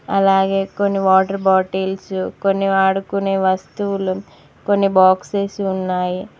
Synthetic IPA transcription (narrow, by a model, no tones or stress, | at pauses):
ɐlaːɡe̞ːkonːiʋaːʈɐɾbaːʈeːlsukonːiʋaːɽukuneːʋɐst̪uʋulu | konːibaːkseːsunːaːji